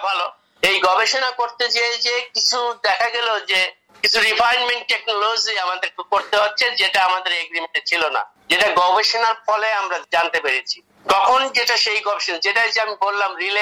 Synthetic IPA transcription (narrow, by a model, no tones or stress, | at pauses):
bʱalo | ejɡɔbeʃonakoɾt̪et͡ɕeed͡ʑekit͡ɕʰud̪ɛkʰaɡɛlod͡ʑe | kit͡ɕʰuɾifʰajnmeɳʈ̚ʈeknolod͡ʑiamad̪eɾkoɾt̪eɦotːʰed͡ʑeʈaamad̪eɾeɡɾimeɳʈet͡ɕʰilona̰ | d͡ʑeʈaɡɔbeʃonaɾfʰɔleamɾad͡ʑant̪epeɾet͡ɕʰi | k̪ɔkʰond͡ʑeʈaʃejɡɔbeʃonad͡ʑeʈad͡ʑeamikoɾlamɾile